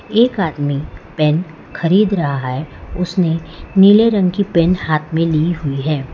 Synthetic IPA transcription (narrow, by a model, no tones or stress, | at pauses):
eːkaːd̪mipɛːn | xɐɾiːd̪ɾɐɦaɦɛʊsneniːleɾə̃ŋɡkipɛːnhaːt̪ʰmẽliɦʊiɦɛː